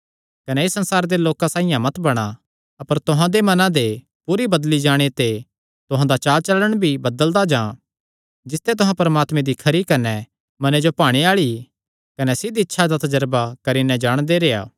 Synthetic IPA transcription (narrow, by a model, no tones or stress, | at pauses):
kɐnɛesːɐ̃nsaːɾd̪eloːkãsaːijãmɐt̪bɐɽ̃a | ɐpəɾt̪ʊɦãd̪emɐnãd̪e | puːɾibɐd̪lid͡ʒaːɽ̃et̪e | t̪ʊɦãd̪at͡ʃaːt͡ʃɐləɽ̃bʱibɐd̪əld̪ad͡ʒãː | d͡ʒɪst̪et̪ʊɦãpɐɾəmaːt̪mẽd̪ikʰɐɾikɐnɛ | mɐned͡ʒopaːɽ̃iaːɭi | kɐnɛsɪd̪iɪtːʃʰad̪at̪ɐd͡ʒəɾbakɐɾinɛd͡ʒaːɽ̃d̪eɾeːa̰ː